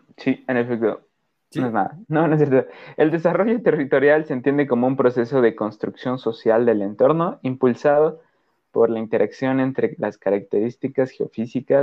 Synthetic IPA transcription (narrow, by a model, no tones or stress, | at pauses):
sienefek̚t̪o | sinoeznaða̰noβanos̬eɾt̪oðoe̞ld̪e̞saro̞ʝo̞t̪e̞rit̪o̞ɾjalse̞nt̪je̞nd̪e̞ko̞mo̞umpɾo̞se̞so̞ð̞e̞ko̞nst̪ɾuksjo̞nso̞sjald̪e̞le̞nt̪o̞ɾno̞impulsaðo̞ | po̞ɾlaint̪e̞ɾʔaksjo̞ne̞nt̪ɾe̞laskaɾak̚t̪e̞ɾist̪ikasxeo̰fisika